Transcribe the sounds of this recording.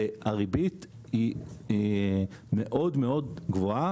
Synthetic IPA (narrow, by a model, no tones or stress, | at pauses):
eaʁibit̪ | i | meʔo̞d̪meo̞dɡvoa